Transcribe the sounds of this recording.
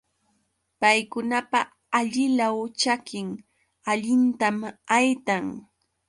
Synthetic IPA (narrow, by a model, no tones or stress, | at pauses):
pajkʊnapaː | ʎɪʎawt͡ʃakɪŋ | aʎɪnt̪amajt̪aŋ